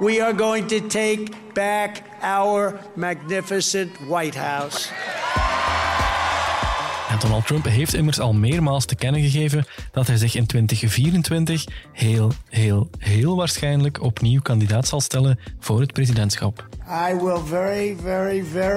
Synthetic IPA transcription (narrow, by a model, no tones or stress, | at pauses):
wiə˞ɡoʊɪ̃ŋtɨtʰeɪk | b̥æk | aʊə˞mæɡ̚nɪfɨsɨ̃ntwaɪt̚haʊs | ɛndɔnəlˠtːɹœmpɦeːftɪmərsɑlˠmeːrmaːlˠstəkɛnəɣəɣeːvənd̥ɑtɦɛjzɪxɪntʋɪntəxviːɾəntʋɪntəxheːlˠɦeːlˠɦeːlˠʋaːrsxɛjnləkʰɔpniwkɑndidaːtsɑlˠstɛlənv̥oːrɦət̚prezidɛntsxɑpaɪwɪlˠvɛɹivɛɹivɛ